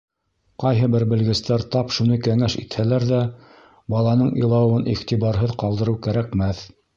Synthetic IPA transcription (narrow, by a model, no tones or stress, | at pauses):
qɑjɦɤbɘɾbɘ̆lɡɘ̆st̪æɾt̪ɑpʃunɤjkæŋæʃḭt̪hælæɾðæ | bɑlˠɑnɤɴḭ̆jlˠɑwɤniχt̪iβɑɾɦɤðqɑlˠd̪ɤ̆ɾɤwkæɾækmæθ